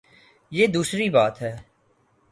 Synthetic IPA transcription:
jeːd̪uːsɾibaːt̪ɦɛː

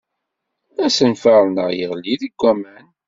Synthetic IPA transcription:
æsənfaɾˤnəʁjəʁlːiðiɡʷːæmæn

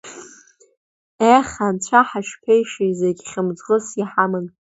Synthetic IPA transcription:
eχʲant͡ɕʷʰaħaʃpʰejʂizeɡʲχʲamd͡zʁəsjiħamɨn

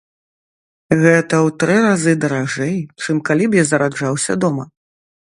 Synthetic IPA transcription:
ɣɛt̪ɐwt̪ɾɨɾazɨd̪ɐɾaʐɛjt͡ʂɨmkalʲibjazɐɾad͡ʐawsʲɐ̰d̪ɔmɐ

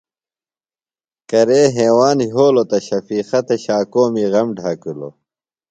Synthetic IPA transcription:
kɐɾeːɦeːwaːnɦoːlot̪ɐɕɐfiːxɐt̪eɕaːkoːmiɣɐmɖʱakulo̰

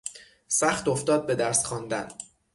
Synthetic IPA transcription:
sæχt̪oft̪ɒːd̪̚be̞d̪æɾsχɒːnd̪æ̰n

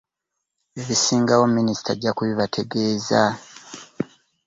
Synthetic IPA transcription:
eβisiːŋɡawo̞minisi̥tʰa̰ɟakuβiβatʰe̞ɡe̞ːza

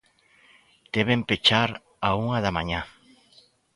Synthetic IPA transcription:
t̪eβempet͡ʃaɾ | auŋaðamaɲa

